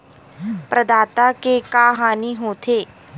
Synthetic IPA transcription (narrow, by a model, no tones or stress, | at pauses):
pɾəd̪aːt̪akekaːɦaːniɦoːt̪ʰeː